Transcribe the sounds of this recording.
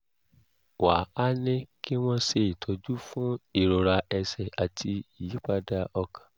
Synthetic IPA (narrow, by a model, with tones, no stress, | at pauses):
wa˨˦a˦nĩ˦ki˦w̃ɔ̃˦se˧i˨tʰɔ˨˧˦d͡ʒu˦fũ˦i˨ɾo˧ɾa˧ɛ˧sɛ˨a˨tʰi˧i˨ji˨˦k͡pa˧da˧ɔ˧kʰḁ̃˨